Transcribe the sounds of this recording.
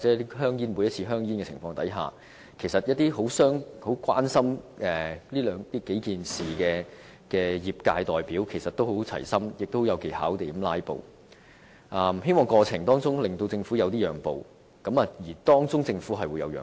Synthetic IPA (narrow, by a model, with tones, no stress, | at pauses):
a˨t͡sɛː˨˦˥i˥ɦœː˥ŋjiː˥nmu˨˧jɐ˥t͡sʰiː˧ɦœː˥ŋjiː˥nkɛ˧t͡sʰɪ̰˨˩ŋfɔː˧ŋt̪ɐ̰˨˥jɦa̰ː˨˩ | kʰe˨˩jsɐ˨t̚jɐ˥t̚t̪iː˥ɦo˨˥wsœː˥ŋho˨˥wkwaː˥nsɐ˥mɛː˨˩liː˥lœː˨ŋt̪iː˥ke˨˥jkiː˨nsiː˨˩kɛː˧ | kɛː˧jiː˨˩p̚kaː˧jt̪ɔː˨˩jpiː˨˥wkʰe˨˩jsɐ˨t̪o˥who˨˥wt͡sʰɐ̰˨˩jsɐ˥mjɪ˨k̚t̪ːho˨˥jɐ˨˧wke˨˩jha̰ː˨˥wt̪e˨˩˥mlaː˥jpo̰˨w | ʔɐː˧mɦe˥jmɔː˨ŋkɔː˧t͡sʰɪ˨˩ŋt̪ɔː˥ŋt͡sʊ˥ŋlɪ˨ŋt̪o˧wt͡sɪ˧ŋfuː˨˥jɐ˨˧wt̪iː˥jœː˨˩ŋpo̰˨w | kɐ˨˥mɐː˨jiː˨˩t̪ɔː˥ŋt͡sʊ˥ŋt͡sɪ˧ŋfuː˨˥ɦɐ˨jwu˨jɐ̰˨˧wjœ̰ː˨